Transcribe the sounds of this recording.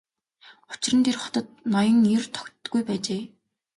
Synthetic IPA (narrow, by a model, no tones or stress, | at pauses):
ʊt͡ɕɪrə̆nt̪ʰerχɔ̥t̪ə̆t̪̚nɔjə̆ŋirt̪ʰɔ̥kʲtɡujpæːt͡ɕeː